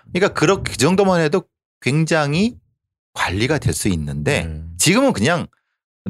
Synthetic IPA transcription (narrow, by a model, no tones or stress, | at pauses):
kɯɲik͈akɯɾʌkʰkɯd͡ʑʌŋdomanɦedo | kwe̞ŋd͡ʑaŋi | kwaʎːiɡadwe̞̰ɭs͈uinːɯnde̞̰t͡ɕiɡɯmɯnkɯɲaŋ